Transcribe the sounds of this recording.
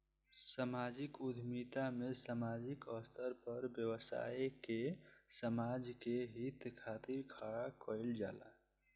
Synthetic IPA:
səmad͡ʒɪkʊd̪ʱmit̪amesəmad͡ʒikəst̪ʰəɾpəɾbjəwəsa̰ekesəmad͡ʒkeɦit̪kʰat̪iɾkʰaɽakəɪld͡ʒa̰ːla̰

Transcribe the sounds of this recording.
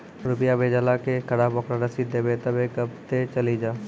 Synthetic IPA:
ɾʊpɪjabʱeːd͡ʒalakekɐɽabɔːkɾaɾɐsid̪eːbet̪ɐbekɐb̚t̪et͡ʃɐlid͡ʒaː

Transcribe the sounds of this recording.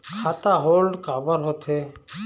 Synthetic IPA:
kʰaːt̪aːɦoːlɖkaːbəɾɦot̪ʰeː

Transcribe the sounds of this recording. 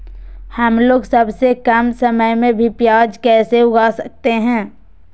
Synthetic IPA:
hɐmloːɡsɐbsekɐmsɐməjmẽbʱipjaːd͡ʒkɛːseʊɡasək̚t̪eɦɛ̃ː

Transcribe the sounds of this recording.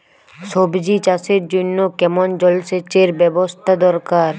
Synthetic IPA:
soːbd͡ʒit͡ʃaːsed͡ʒʊnːokɛmɔnd͡ʒɔlset͡ʃeːɾbebɔst̪ʰad̪ɔɾkaːɾ

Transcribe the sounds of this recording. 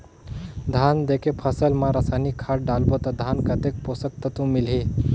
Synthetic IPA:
d̪ʱand̪ekepʰəsəlmãɾəsajnikʰːaʈ̚ɖalbot̪əd̪ʱankət̪ek̚posək̚t̪ət̪ũmilɦe

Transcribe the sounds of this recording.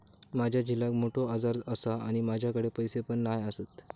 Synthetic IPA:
mad͡ʑʱjad͡ʑilak̚moʈʰoad͡zaɾəsaa̰ɽ̃imad͡ʑʱjakəɽepəjsepəɳːajəsət̪

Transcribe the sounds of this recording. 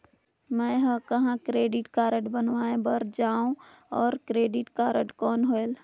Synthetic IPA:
mə̃ɦə̃kəɦãkɾeːɖiʈkaːɾəʈbənʋaːẽbəɾd͡ʒaːũ | ɔːɾkɾeːɖiʈkaːɾəʈkɔːnɦoel

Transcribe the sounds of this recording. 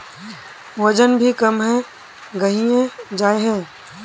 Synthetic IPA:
ʋɐd͡ʒənbʱikɐmɦɛ̃ | ɡɐɦiẽd͡ʒaːeɦɛ̃ː

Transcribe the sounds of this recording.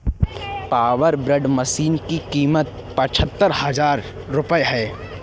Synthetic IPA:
paːʋəɾbɾəɖməsiːnkikiːmət̪̚ | pɐ̃t͡ʃʰət̪ːəɾhɐzaːɾː | ʊpəjɦɛː

